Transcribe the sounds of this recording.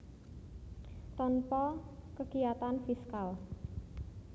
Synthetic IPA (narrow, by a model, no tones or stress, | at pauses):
t̪ɔnpɔkəɡijat̪anfiskal